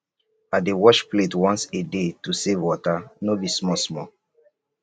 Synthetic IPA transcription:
adewɔʃpletwɔ̃nsedetusevwɔtanobismɔsmɔ

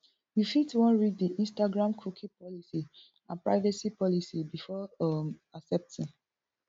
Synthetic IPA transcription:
wifitwɔ̃nɹiddiʔĩnstaɡɹãmkʰukʰĩpɔlisi | ãnpɹa̰ɪvasipɔlisibifɔmasɛp̚tĩn

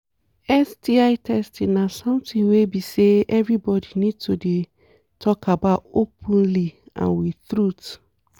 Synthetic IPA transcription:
ɛsdiaɪtʰɛstĩnasɔ̃mtĩnwebiseɛvɹibɔdinid̚tode | tʰɔkabaʊtopʰũnliã̰nwiθɹut

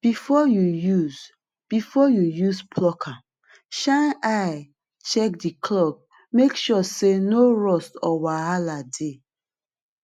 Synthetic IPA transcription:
b̥ifɔjujuz | b̥ifɔjujuzpʰlɔkʰa | ʃãnʔaɪ | t͡ʃɛk̚dikʰlɔb̚ | mekʃɔsenoɹɔstɔwaɦalade

